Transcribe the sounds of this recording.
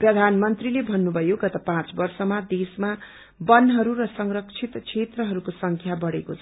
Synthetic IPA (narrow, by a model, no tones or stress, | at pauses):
prʌd̪ʱanmʌnt̪rilebʱʌnːubʱʌjoɡʌt̪apãt͡sbʌrsʌmad̪esma | bʌnɦʌɾurʌsʌŋrʌkt͡sʰit̪t͡sʰet̪rʌɦʌɾukosʌŋkʰjabʌɽekot͡sʰʌ